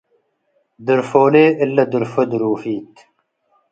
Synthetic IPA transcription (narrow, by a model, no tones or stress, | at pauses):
d̪əɾfoːleːɪlːɐd̪əɾfəd̪uɾuːfiːt̪